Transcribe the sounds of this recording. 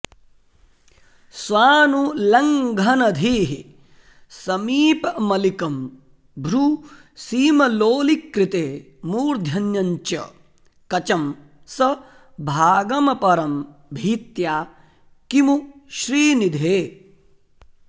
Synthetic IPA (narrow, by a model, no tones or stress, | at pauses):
sʋaːnulɐŋɡʱɐnɐd̪ʱiːɦi | sɐmiːpɐmɐlikɐm | bʱɾu | siːmɐloːlikɾit̪eː | muːɾd̪ʱjɐnjɐɲt͡ʃɐ̰ | kɐt͡ʃɐm | sɐ | bʱaːɡɐmɐpɐɾɐmbʱiːt̪jaː | kimuʃɾiːnid̪ʱeː